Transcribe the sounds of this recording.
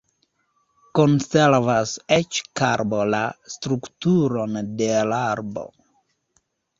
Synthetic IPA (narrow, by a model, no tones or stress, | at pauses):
konseɾvaset͡ʃkaɾbolastɾuktuɾondelaɾbo̰